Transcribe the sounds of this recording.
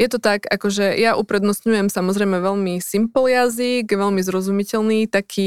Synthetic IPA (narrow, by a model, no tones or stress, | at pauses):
jɛt̪ɔt̪aɡakɔʒɛjaʔupɾɛd̪nɔstɲujɛmsamɔzɾɛjmɛʋɛlmisimpljaziɡʋɛlmizɾɔzumicɛlniːt̪akʰiː